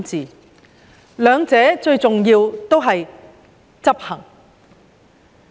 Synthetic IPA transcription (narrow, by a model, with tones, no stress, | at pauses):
t͡siː˨ | lœː˨˧ŋt͡sɛː˨˥t͡ʃɵ˧ɥt͡sʊ˨ŋjiː˧wt̪o˥wɦɐ˨j | t͡sɐ˥p̚hɐ˨˩ŋ